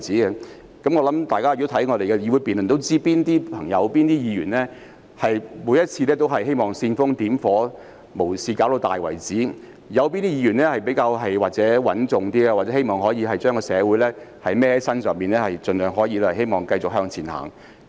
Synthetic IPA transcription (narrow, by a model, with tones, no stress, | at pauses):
t͡siː˨˥ɡɛ˧ | kɐ˨˥mŋɔː˨˧lɐ˨˦mt̪aː˨jkaː˥˨˧t̪ːt̪ʰɐ˨˥jŋɔː˨˧e˨jkɛ˧jiː˧wu˨˧jpi˨nlnt̪wt͡siː˥piː˥nt̪iː˥pʰɐ˨˩ŋjɐ˨˧wpiː˥nt̪iː˥jiː˨˧ɥyː˨˩nlɛː˥ | hɐ˨jmu˨˧˥jɐ˥t̚t͡sʰi˧lɛː˥t̪̬o˥wɦɐ˨jɦe˥jmɔː˨ŋsiː˧nfʊ˥ŋt̪iː˨˥mfɔː˨˥ | mo˨˩wsiː˧kaː˨˥wt̪o˧wt̪a̰ː˨jwɐ˨˩jt͡siː˨˥ | jɐ˨˧wpi˥nt̪i˥jiː˧˥ɥyː˨˩nlɛː˥hɐ˨jpe˨˥jkaː˧wɦɐ˨jwaː˨k̚t͡sɛː˨˥wɐ˨˥nt͡sʊ˨ŋt̪iː˥ɡɛ˧waː˨ɛ˨˥e˥jmɔː˨ŋhɔː˨˥jiː˨˧ɦɐ˨jt͡ʃœː˥ŋkɔː˧sɛː˨˧wu˨˥jlɛː˥hɐ˨jmɛː˥hɐ˨˥jsɐ˥nsœː˨ŋmpiː˨nlɛː˥hɐ˨jt͡sɵ˨nlœː˨ŋɦɔː˨˥jiː˧lɛ˥hɐ˨˩he˥jmɔː˨ŋkɐ˧jt͡sʊ˨k̚ɦœː˧ŋt͡sʰiː˨˩nha̰ː˨˩ŋ